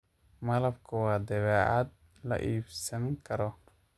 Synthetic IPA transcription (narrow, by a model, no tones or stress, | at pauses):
mɐlɐbkʰɐwɑːd̪ɐβɛːʕɑd̪̚ | lɐ̰ʔiːbsɐŋkʰɐɾɔ